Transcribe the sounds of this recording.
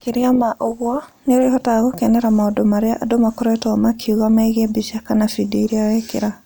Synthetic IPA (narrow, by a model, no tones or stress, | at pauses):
keɾiamaʔoɣwɔneoɾeɦɔtaɣokɛnɛɾamaodomaɾeaʔːdomakɔɾɛtɔmakʰiuɣamaiɣebisiakanafidoiɾiawɛkḛɾa